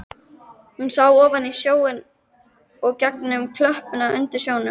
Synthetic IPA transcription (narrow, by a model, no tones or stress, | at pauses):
hʏnsawɔːvanisjoːwɪn | ɔɣcɛknʏmkʰlœhpʏnaʏnt̪ɪɾ̥sjoːwnʏm